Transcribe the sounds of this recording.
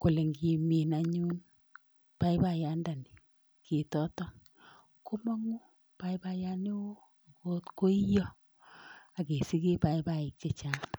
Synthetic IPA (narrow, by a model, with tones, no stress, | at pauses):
ko˨le˨ŋɡi˨mi˨na˨ɲu˦n | pa˦i˦ba˦ja˦nda˨ni˨ | ke˨tɔ˦tɔ˦ | ko˦ma˦ŋu˦ | pa˦i˦ba˦ja˦ni˦wo˦ | a˨ko˦tko˦i˦jɔ˦ | a˨ke˨si˦ke˦pa˦i˦ba˦˨i˨k̚t͡ʃe˦t͡ʃa˦ŋ